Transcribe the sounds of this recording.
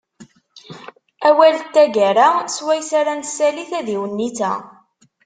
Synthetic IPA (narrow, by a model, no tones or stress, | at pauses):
æwælt̪ːæʝæɾaswæjsaɾænsːæliθæðiwənːiθæ̰